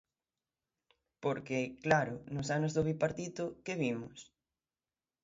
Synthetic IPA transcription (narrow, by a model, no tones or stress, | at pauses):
poɾkɪklaɾʊnʊsanozðoβipaɾt̪it̪ʊkeβimʊs